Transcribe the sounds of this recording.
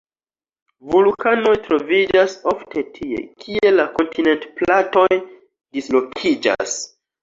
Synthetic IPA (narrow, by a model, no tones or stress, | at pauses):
vulkano̞jtɾo̞vid͡ʒaso̞ftʰe̞tʰie̞̰kʰie̞lako̞ntʰine̞ntplato̞j | dislo̞kʰid͡ʒa̰s